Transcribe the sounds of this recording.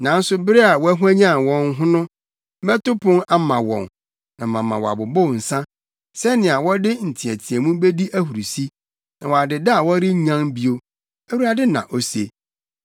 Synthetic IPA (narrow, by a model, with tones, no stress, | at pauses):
nã˨n̩˦sʊ˦bɪ˦ɾɛ˦a˨wɔ˦æ˦ɦu˦æ˦ɲã˦˨wɔ̃˨ŋ˦ɦʊ̃˦nʊ̃˦ | mɛ̃˦tʊ˦pʰʊ̃˦ŋa˦mã˨wɔ̰̃˨n | nã˨mã˨mã̰˨wɔ˨a̰˨bʊ˨bʊ˦˨n̩˨sã˦ | sɛ˦nɪ̃˨a˨wɔ˦dɪ˦n̩˨tʰĩ˨æ˨tʰi˨ɛ˨mũ˦be˦di˦ʔæ˦hu˨ɾu˨si˦ | nã˨wɔ˨a˨dɪ˨da˦a˨wɔ˦ɾɪ˦ɲã˦ŋbi˨o˦ | e˦wu˦a˨dɪ˦nã̰˨ʔo˦se˨